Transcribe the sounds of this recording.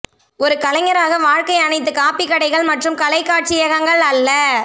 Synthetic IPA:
ɔɾɯkɐlɐŋɐɾaːɣɐʋaːɻkɐɪɐnɐɪt̪̬ːɯkaːpɪkːɐɽɐɪɣɐɭmɐʈrɯmkɐlɐɪkːaːʈ̚t͡ʃɪjɐɣɐŋɡɐɭɐlːɐ

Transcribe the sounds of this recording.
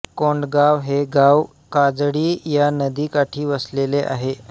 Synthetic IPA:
koɳɖɡaʋɦeɡaʋ | kad͡zɽiːjanəd̪iːkaʈʰiːʋəsleleʔa̰ɦe

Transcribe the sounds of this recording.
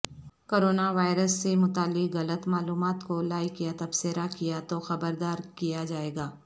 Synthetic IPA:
koːɾoːnaʋaːɪɾəsːemʊt̪aːlːɪkɣɐlət̪maːluːmaːt̪kolaːikijat̪ɐbsɪɾakijat̪oxɐbəɾd̪aːɾkijad͡ʒaːeːɡaː

